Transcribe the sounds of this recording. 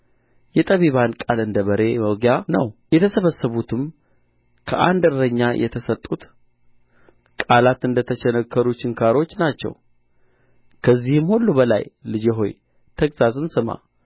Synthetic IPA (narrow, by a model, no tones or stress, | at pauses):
jɛt̪ʼəβiβankʼalɨnd̪əβəɾe̞məɡjanə̰wjɛt̪ʰəsəβəsːəβut̪ʰɨm | kʰəʔa̰nd̪ɨɾɾəɲːajʔɛ̰t̪ʰəsət̪ʼːut̪ | kʼalat̪ɨnd̪ət̪ʰət͡ʃɛnəkːəɾut͡ʃːɪŋkʰaɾo̞t͡ʃːnat͡ʃːɛ̰w | kʰəzːihɨmhulːubəla̰jlɨd͡ʒeɦo̞̰j | t̪ʰəkʼz̥azɨnsɨma̰